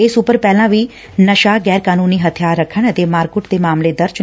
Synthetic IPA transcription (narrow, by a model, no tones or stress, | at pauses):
ɪsʊpəɾpɛːlãːʋiː | nəʃaːɡɛːɾkaːnuːniːɦət̪ʰjaːɾːəkʰːəɳət̪eːmaːɾkʊʈd̪eːmaːmleːd̪əɾt͡ʃ